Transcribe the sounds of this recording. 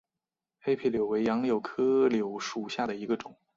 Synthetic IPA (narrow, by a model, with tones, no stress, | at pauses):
xe˥ɪpʰi˥˩ljo˨˩ʊwe˧˥ɪjɑ˧˥ŋljo˨˩ʊkʰɤ˥ljo˨˩ʊʂu˨˩ɕja˥˩d̪ə˩i˧˥ɡə˧ʈ͡ʂʊ˨˩˦ŋ